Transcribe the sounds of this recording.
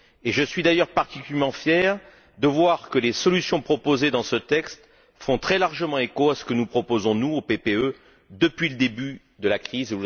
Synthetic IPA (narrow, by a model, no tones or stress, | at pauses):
eʒəsɥid̪ajœʁpaʁt̪ikʲyɛmɑ̃fjɛʁ | d̪əvwaʁkəlesɔlysjɔ̃pχɔpozed̪ɑ̃sət̪ɛkst̪ | fɔ̃t̪χɛlaʁʒəmɑ̃ekoasə̥kənupχɔpozɔ̃nuopepeø | d̪əpɥiləd̪eby | d̪əlakχize